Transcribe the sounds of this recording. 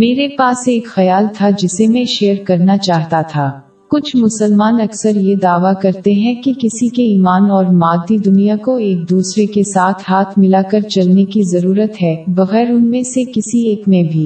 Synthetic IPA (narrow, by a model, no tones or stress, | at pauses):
meːɾepaːseːkxɐjaːlt̪ʰad͡ʒɪsemẽʃeːəɾkɐɾnat͡ʃaːɦt̪at̪ʰaː | kʊt͡ʃʰmʊsəlmaːnɐksəɾjed̪aːʋakɐɾt̪eɦɛ̃kikɪsikeiːmaːnɔːɾmaːd̪ːid̪ʊnijakoeːk̚d̪uːsɾekesaːt̪ʰhaːt̪ʰmɪlakɐɾt͡ʃɐlnekizɐɾuːɾət̪ɦɛːʋɐɣɛːɾʊnmẽsekɪsieːkmẽbʱiː